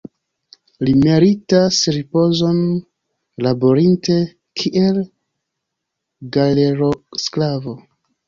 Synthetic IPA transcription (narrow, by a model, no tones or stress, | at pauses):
lime̞ɾitasɾipo̞zo̞n | labo̞ɾinte̞ | kʰiʔe̞l | ɡaleɾosklavo̞